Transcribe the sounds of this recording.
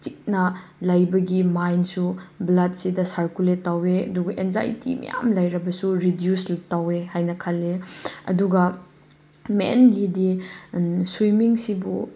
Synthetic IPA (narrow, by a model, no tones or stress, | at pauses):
tik̚nɐlɐjbɐɡimajnsublɐd̚sidɐsaɾkuletːaweɐ̰duɡɐʔenza̰jtʰḭmɐ̰ja̰mlɐjɾɐbɐsuɾidjusltawehajnɐkʰɐlːeɐ̰duɡɐ | mḛnlidi | swimiŋsibu